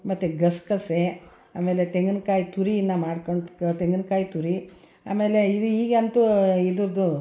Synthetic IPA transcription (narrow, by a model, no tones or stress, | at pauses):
mɐt̪ːuɡɐskɐse | aːme̞ːlet̪eŋɡɐnkaːjit̪uɾiinːɐmaːɽkoɳt̪eŋɡɐnkaːjit̪uɾi | a̰ːme̞ːleid̪uiːɡɐnt̪uid̪uɾd̪u